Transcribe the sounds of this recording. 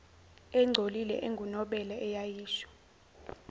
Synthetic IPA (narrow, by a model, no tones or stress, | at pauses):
ɛŋ͡ǀʱolilɛ̰ʔeŋɡʱunɔɓɛlɛʔɛjajiːʃɔ̥